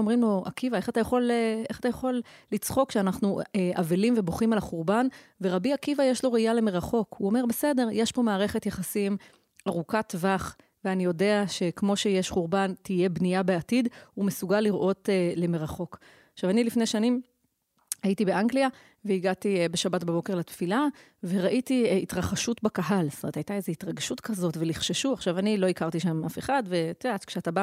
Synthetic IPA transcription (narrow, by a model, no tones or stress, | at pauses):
omʁimlo̞ʔakivae̞χat̪ajaχo̞leχatajaχo̞lːit͡sχo̞kʃeanaχnueʔavilimve̞boχimalaχuʁbanve̞ʁabiakivajeʃlo̞ʁeijale̞meʁaχo̞kuo̞me̞ʁbe̞se̞de̞ʁjeʃbo̞maːʁe̞χe̞tjaχasim | ʔaʁukat̪vaχ | veanijo̞de̞aʃe̞kmo̞ʃe̞jeʃχuʁbantije̞bnijabe̞atidumesuɡalːiʁʔo̞tele̞meʁaχo̞k | aχʃavanilifne̞jʃanim | haitibeʔaŋɡlia | veiɡatibeʃabatbabo̞kelatfila | ve̞ʁaʔitiitʁaχaʃutbakaɦalstomt̪ajt̪ae̞zeitʁaɡʃutkazo̞tveliχʃeʃuaχʃavanilo̞ikaʁtiʃamafeχadve̞tidatkʃeataba